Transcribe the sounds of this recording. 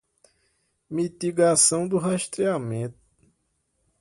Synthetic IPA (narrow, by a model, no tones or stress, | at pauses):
mit̪iɡasɐ̃w̃d̪ʊɦaʃt̪ɾiamẽt̪ʊ̥